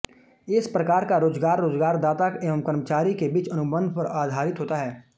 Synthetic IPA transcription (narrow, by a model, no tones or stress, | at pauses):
ɪspɾɐkaːɾkaɾoːzɡaːɾːoːzɡaːɾd̪aːt̪akeːʋəmkəɾmət͡ʃaːɾikebiːt͡ʃɐnʊbə̃nd̪ʱpɐɾaːd̪ʱaːɾɪt̪ɦoːt̪aɦɛː